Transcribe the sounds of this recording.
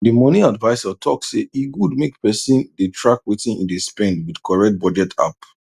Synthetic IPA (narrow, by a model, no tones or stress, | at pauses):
dəmɔniadvaɪsatʰɔkseiɡud̚mekpɛsĩndətʰɹakwetĩnḭ̃ndispɛ̃ndwidkʰɔɹɛk̚t̚bɔd͡ʒɛtʰa̰p